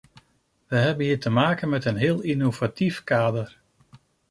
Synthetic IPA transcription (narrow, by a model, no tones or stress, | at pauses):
ʋəɦɛbənɦiːtəmaːkənmɛtənɦɪːlˠinovatifkaːdər